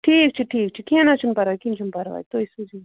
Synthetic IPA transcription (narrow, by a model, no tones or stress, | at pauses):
ʈʰiːk̚t͡ʃʰiʈʰiːk̚t͡ʃʰikinat͡ʃʰumpɐɾʋakint͡ʃʰumpɐɾʋa̰jt̪oisuzi